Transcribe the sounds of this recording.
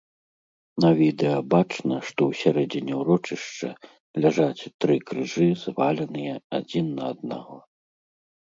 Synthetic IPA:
nɐvʲid̪ɛjɐbat͡ʂnɐʂt̪ɔwsʲaɾɛd͡zʲinʲɛwɾɔt͡ʂɨʂt͡ʂɐ̰ | lʲaʐat͡sʲt̪ɾɨkɾɨʐɨzvalʲɐnɨjɛa̰d͡zʲinːɐːd̪̚na̰ɣɔ

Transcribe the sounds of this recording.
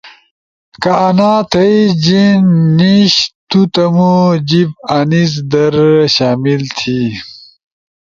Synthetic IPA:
kɐːnaːt̪ʰɐid͡ʑinːiɕt̪ut̪ɐmud͡ʑibɐniz̬d̪ɐɾɕaːmilt̪ʰi

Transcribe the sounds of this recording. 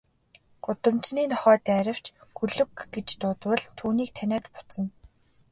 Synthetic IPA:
ɡ̥ʊt̪ə̆mt͡ɕniːnɔχœːt̪æːɾʲə̆w̥t͡ɕɡɵɮɵ̆kɡet͡ɕt̪ʊːt̪wə̆ɮt̪ʰuːniːk̚t̪ʰænʲæːt̪pʊ̥t͡sɞ̆n

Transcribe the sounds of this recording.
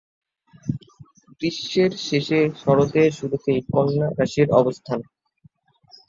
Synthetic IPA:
kɾiʃːeɾʃeʃeʃɔɾot̪eɾʃuɾut̪ejkɔnːakaʃiɾɔ̰bost̪ʰan

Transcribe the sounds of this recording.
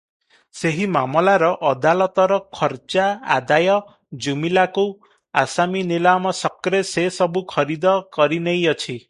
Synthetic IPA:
seɦimamɔlaɾɔʔɔd̪alɔt̪ɔɾɔkʰɔɾt͡ʃaa̰d̪ajɔ | d͡ʒumilaku | asaminilamɔsɔkɾesesɔbukʰɔɾid̪ɔkɔɾinejɔt͡ʃʰi

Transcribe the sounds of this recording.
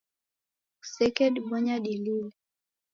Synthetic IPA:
sɛkɛɗɓɔɲaɗilil

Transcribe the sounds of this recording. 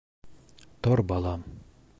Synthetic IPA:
t̪oɾbɑlˠɑm

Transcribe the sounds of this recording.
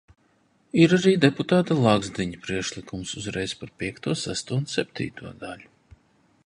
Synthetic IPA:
iɾaɾiːd̪ɛput̪aːt̪alˠaɡzd̪iɲpɾiɛkʃlˠikumsuzɾɛjspaɾpʲiɛkt̪uɔsæst̪uɔnsɛp̚ʲt̪ʲḭːt̪uɔd̪alʲu

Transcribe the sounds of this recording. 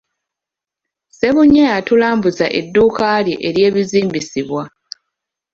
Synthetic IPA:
se̞βuɲːajatulaːmbuzaʔe̞̰dːuːkaːljiʔeɾje̞ːβiziːmbisiβwa

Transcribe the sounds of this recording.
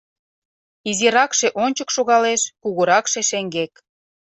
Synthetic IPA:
iziɾɑkʃeʔonʲt͡ɕəkʃoɣɑleʃkuɣuɾɑkʃeʃeŋɡek̚

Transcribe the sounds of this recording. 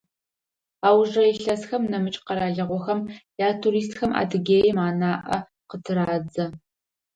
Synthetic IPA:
aːwʐɐjɬɐsxɐmnɐmɨt͡ʃʼqɐɾaːɮɐʁʷɔxɐmjaːtʰuɾiːs̬txɐmʔa̰ːdɨɡʲeːjmaːnaːʔɐ̰ | qətʰɨɾaːd͡zɐ

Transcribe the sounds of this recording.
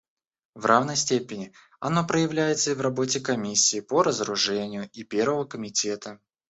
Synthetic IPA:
vrʔavnəjsʲtʲepʲɪnʲɪ | ɐ̰no̞pɾəjɪvlʲæjɪt̪səivrɐbo̞tʲɪkɐmʲisʲːiːpəɾəzəɾʊʐɛnʲɪjʊʔipʲe̞rvəvəkəmʲɪtʲet̪ə

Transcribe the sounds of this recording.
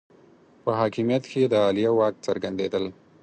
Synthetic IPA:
pəɦɑkɪmijat̪ked̪əɑlijawɑk̚t͡səɾɡand̪ed̪əl

